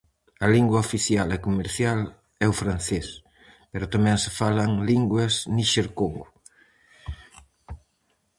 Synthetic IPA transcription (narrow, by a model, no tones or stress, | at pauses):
ɐliŋɡwɐofiθjalɛkomeɾθjal | ɛʊfɾan̟θes | peɾʊt̪amɛ̃ŋsefalɐŋliŋɡwɐzniʃeɾkoŋɡʊ